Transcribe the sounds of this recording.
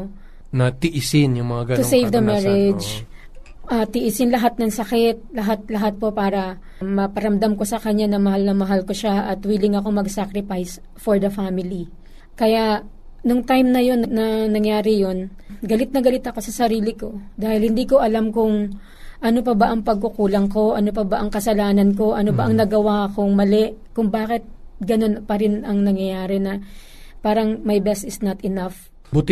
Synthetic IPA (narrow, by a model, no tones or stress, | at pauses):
nɐt̪ɪʔɪsɪnjʊŋmɐŋaɡɐnt̪ʊsejvd̪ɐmɛɹɛd͡ʒ | ʔɐt̪ɪʔɪsɪnlɐɦat̪̚nɐŋsɐkɛt̪̚lɐɦat̪̚lɐɦat̪̚po̞paːɾɐ | mɐpɐɾɐmd̪amko̞sɐkɐɲanɐmɐɦalnɐmɐɦalkoʃaʔɐt̪wiːlɪŋɐko̞mɐɡsakɾɪfajs | foɹd̪ɐfamɪli | kɐjaʔ | nʊŋt̪ajmnɐjo̞nːɐnɐnɐŋjaːɾɪjo̞n | ɡɐlɪt̪̚nɐɡɐlɪt̪ɐko̞sɐsɐɾiːlɪko̞d̪aːhɪlhɪnd̪iːko̞ʔɐlamkʊŋ | ʔɐno̞p̬ɐbɐʔɐŋpɐɡ̚kʊkuːlɐŋko̞ʔɐnop̬ɐbɐʔɐŋkɐsɐlaːnɐnko̞ʔɐnobɐʔɐŋnɐɡɐwaɐkoŋmɐlɛʔkʊŋbaːkɪt̪̚ɡɐno̞npɐɾɪnɐŋnɐŋjɐjaːɾɛnɐ | paːɾɐŋmɐjbɛst̪ɪsnɐt̪ɪnaf | bʊt̪